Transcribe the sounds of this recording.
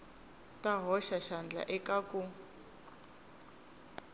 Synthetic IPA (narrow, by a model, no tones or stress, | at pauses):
taɦɔʃaʃand͡ɮa̰ʔɛkaku